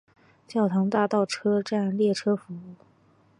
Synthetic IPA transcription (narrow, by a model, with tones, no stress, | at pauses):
t͡ɕjɑ˥˩ʊt̪ʰɑ˧˥ŋt̪a˥˧t̪ɑ˥˩ʊʈ͡ʂʰɤ˥ʈ͡ʂa˥˧nljɛ˥˩ʈ͡ʂʰɤ˥fu˧˥u˥˩